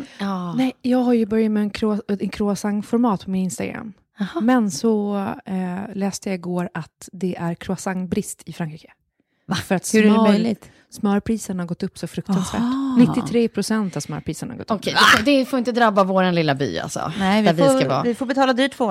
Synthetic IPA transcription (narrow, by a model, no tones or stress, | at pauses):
ɑnɛjjɑːɡɦaɾjɵbœɾjamɛɛnkʰɾʊɛnkʰɾʊasaŋfɔɾmɑːt̪̚pʰɔmɪnɪnst̪aɡɾa̰mː | hːɛnsɔ | lɛːst̪əjaɪɡoːɾat̪d̪ɛʔæɾkʰɾʊasaŋbɾɪst̪ʰɪfɾaŋkʰɾiːkə̥ | fœɾat̪hɛmœlɪ | smœːɾpʰɾiːsəɳhaɾɡɔt̪ːɵpːsɔfɾɵk̚t̪ansvæ̰ːʈnɪt̪ːɪɾeːpʰɾʊsɛnt̪avsmœ̰ːɾpʰɾiːsənɳha̰ɡɔ̰t̪ːɔkːʰɛjɛd̪ɛfoːɪnt̪əd̪ɾabːavoːɾanlɪlːaby̰ːa̰lsɔ̰nɛvvsavɑ̰ːvɪfobɛt̪ʰɑːlad̪yːʈʰːvoː